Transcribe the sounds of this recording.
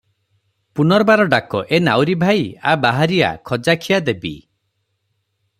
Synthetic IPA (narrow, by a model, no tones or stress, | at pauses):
punɔɾbaɾɔɖakɔʔenawɾibʱajabaɦaɾia̰kʰɔd͡ʒakʰijad̪ebḭ